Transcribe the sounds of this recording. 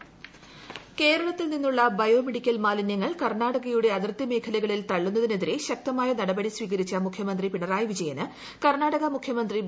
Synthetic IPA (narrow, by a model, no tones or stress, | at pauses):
ke̞ːɾɐɭɐt̪ːilninːuɭːɐbɐjo̞ːmeɽikʲːɐlmaːlinjɐŋːɐɭkɐrnaːɽɐɣɐjuɽe̞ɐðirt̪jɐme̞ːkʰɐlɐɣɐɭilt̪ɐɭːunːɐðine̞ðiɾe̞ɕɐk̚t̪ɐmaːjɐnɐɽɐbɐɽisʋiːɣɐɾit͡ɕːɐmukʰjɐmɐnd̪ripiɳɐraːjʋid͡ʑɐjɐnɨ | kɐrnaːɽɐɣɐmukʰjɐmɐnd̪ri